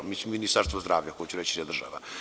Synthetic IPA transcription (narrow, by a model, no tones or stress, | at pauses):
miːsmominist̪aɾst̪ʋozd̪ɾa̰ːʋʎakojet͡ɕuɾet͡ɕi̥sad̪ɾr̩ʒa̰ʋa̰